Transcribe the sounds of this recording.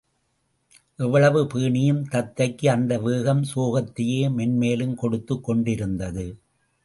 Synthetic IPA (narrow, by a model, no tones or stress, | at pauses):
ʔɛʋːɐɭɐʋɯpɯːɳɪjɯmt̪ɐt̪ːɐɪkːɯɐnd̪ɐʋeːɣɐmsoːɣɐt̪ːɪjeːmɛnmeːlɯmkɔɽɯt̪ːɯkːɔɳɖɪɾɯnd̪ɐðɯ